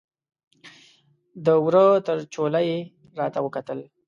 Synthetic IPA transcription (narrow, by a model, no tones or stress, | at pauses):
d̪əwɾət̪əɾt͡ʃolaje | ɾɑt̪awəkat̪əl